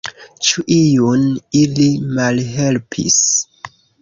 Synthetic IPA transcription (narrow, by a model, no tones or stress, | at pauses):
t͡ʃuʔijunilimalɦe̞lpʰḭs